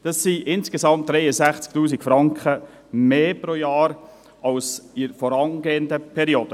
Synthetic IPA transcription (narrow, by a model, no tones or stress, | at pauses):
d̥ɑsːiʔɪnsɡ̥esɑmt̚d̥ɾɛɪəzæχt͡sk̚tuːsikfɾɑŋkχə | meːpɾoːjɑːɾ | ɑlsɪɾfɔɾɑnɡeːəndəpʰɛɾioːd̥ə